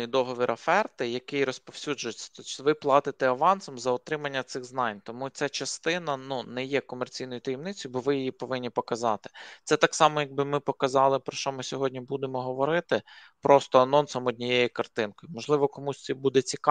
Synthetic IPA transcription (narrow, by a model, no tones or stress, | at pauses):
d̪ɔɦɔʋʲiɾɐfɛrt̪ɪjɐkɪjɾɔspɔw̥sʲud͡ʒʊjet͡sʲːɐ̥t̪ɔʋɪplˠɑt̪ɪt̪ɛɐʋɑnsɔmzɐɔt̪ɾɪmɐnʲːɐt̪sɪxznɑnʲt̪ɔmut͡sʲat͡ʃɐst̪ɪnɐnunɛjɛkɔmert͡sʲijnɔjʊt̪ɐjɛmnɪt͡sʲɔjbɔʋɪjɪjipɔʋɪnʲːipɔkɐzɑt̪ɪ̥t̪sɛt̪ɑksɑmɔjɐɡ̚bɪmɪpɔkɐzɑlˠɪpɾɔʃt͡ʃɔmɪsʲɔɦɔdʲnʲibud̪emɔɦɔʋɔɾɪt̪ɪ | pɾɔst̪ɔɐnɔnsɐmɔd̪ʲnʲijejikɐrt̪ɪnkɔjʊmɔʒlˠɪʋɔkɔmusʲt̪sʲɛbud̪ɛt͡sʲik